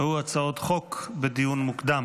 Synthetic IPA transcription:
huat͡saot̪χokbed̪ijunmukd̪am

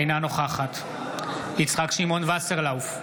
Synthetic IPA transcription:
jnano̞χaχat̪ | it͡sχakʃimo̞nvaseʁlawf

